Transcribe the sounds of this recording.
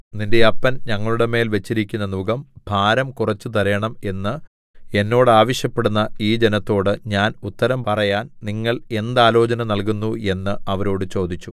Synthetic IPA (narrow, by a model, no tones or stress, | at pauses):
ninde̞ɐpːɐnɲɐŋːɐɭuɽe̞me̞ːlʋet͡ɕːiɾikʲːunːɐnuɡɐmb̥ʱaːɾɐmkurɐt͡ɕːut̪̬ɐɾɐjɐɳɐme̞nːɨ | e̞nːo̞ːɽɨaːʋɐɕjɐpːe̞ɽunːɐiːd͡ʑe̞nɐt̪ːo̞ːɽɨɲaːnut̪ːɐɾɐmpɐrɐjaːnniŋːɐɭe̞nd̪aːlo̞ːt͡ɕɐnɐnɐlkunːue̞nːɨɐʋɐɾo̞ːɽɨt͡ɕo̞ːd̪it͡ɕːu